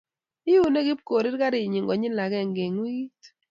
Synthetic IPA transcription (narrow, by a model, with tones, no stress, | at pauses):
ɪ˦u˨ne˦ɡi˦p̚ko˨ɾɪ˦ɾka˦ɾɪ˨ɲi˨ŋɡɔ˨ɲɪ˦nla˨ɡɛ˦˨ŋɡe˨ŋwi˦ɡi˦t